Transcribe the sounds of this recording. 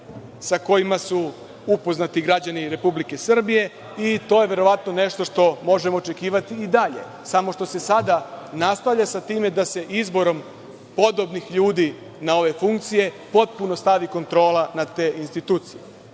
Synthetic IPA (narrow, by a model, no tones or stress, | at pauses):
sako̞jimasu | upo̞znat̪iɡɾad͡ʑaniɾe̞publike̞sr̩bije̞ | it̪o̞jeʋe̞ɾo̞ʋat̪no̞ne̞ʃt̪o̞ʂt̪o̞mo̞ʒemo̞ːt͡ʃe̞kiːʋat̪iːd̪aʎe̞̰ | samo̞ʃt̪o̞se̞sad̪anast̪aʋʎasat̪iːme̞d̪ase̞ʔizbo̞ɾo̞m | po̞d̪o̞bnixʎuːd̪i | nao̞ʋe̞fuŋkt̪sije̞po̞t̪̚puno̞st̪aʋiko̞nt̪ɾo̞ːlanat̪e̞ːʔinst̪it̪uːt̪sije